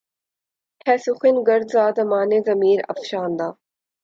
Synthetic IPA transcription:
hɛːsuxɪnɡɐɾd̪zaːd̪ɐmaːnezɐmiːɾɐ̰fʃaːnd̪aː

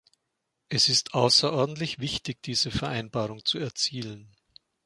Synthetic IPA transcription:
ʔɛsɪstʔaʊsɐʔɔɐdn̩tlɪçv̥ɪçtɪçd̥iːzəfɛɐʔaɪnbaːʁ̞ʊŋt͡suɛɐt͡siːlən

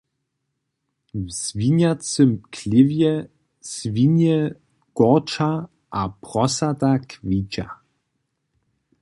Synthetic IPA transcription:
vz̥vinjat͡səmkʰlɪvjɛ | svinjɛ | ɡ̥ɔʁt͡ʃa | ʔapʁɔsatakʰviːt͡ʃa̰

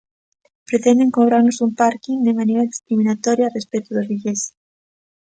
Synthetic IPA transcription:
pɾet̪end̪eŋkoβɾaɾnosumpaɾkiŋd̪emanejɾae̥skɾiminat̪oɾjaːrespet̪oðozβiʎes

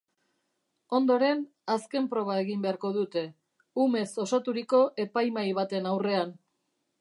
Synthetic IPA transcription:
o̞nd̪o̞ɾe̞n | aske̞mpɾo̞β̞ae̞ɣimbe̞aɾko̞ðut̪e̞ | ume̞so̞sat̪uɾiko̞ʔe̞pajmajβ̞at̪e̞nawre̞an

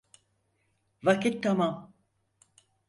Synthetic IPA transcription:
vakit̪ʰːamam

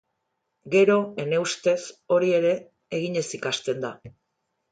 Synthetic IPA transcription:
ɡe̞ɾo̞e̞ne̞ust̪e̞so̞ɾie̞ɾe̞ː | ɣ̞iɲe̞sikast̪e̞nd̪a

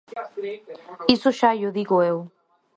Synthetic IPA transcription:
isoʃajoðiɣoew

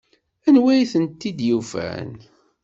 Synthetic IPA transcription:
ænwæjθənt̪ːid̪jufæ̰n

